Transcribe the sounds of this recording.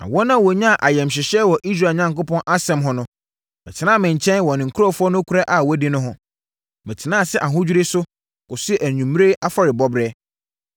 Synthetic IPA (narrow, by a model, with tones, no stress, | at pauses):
nã̰˨wɔ˦nã˦wɔ˨ɲã˦˨ʔa˨jɛ̃˨mɕ̬ɪ˨ɕɛ˦wɔ˨ʔi˦s̬ɾa˨ɲã˨ŋkʊ˦pɔ̃˦nʔa˦sɛ̃˨mɦʊ̃˦nʊ̃˦ | mɛ˨tʰɪ˨nãː˦mɪ̃˨ɲ˨t͡ɕʰɛ̃˦nwɔ˨nɪ̃˨ŋ̩˨kʰu˦ɾɔ˦fʊ˦ɔ˦nʊ̃˦kʷʰu˦ɾa˦ʔa˨wɔ˦di˦nʊ̃˦ɦʊ̃˦ | mɛ̃˨tʰɪ˨nãː˦˨sɛ˦ʔa˨ɦʊ̃˦d͡ʑᶣu˦ɾɪ˦sʊ˦ | kʊ˨sʊ˦ɛ˦ʔæ˨ɲũ˨m˦ɾe˦ʔa˦fa˨ɾɪ˨bɔ˦bɾɛ˦